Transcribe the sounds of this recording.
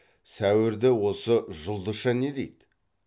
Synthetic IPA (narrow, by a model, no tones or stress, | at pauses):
sæwɪɾd̪ɪwo̞səʒʊlˠd̪əʃɑned̪ejd̪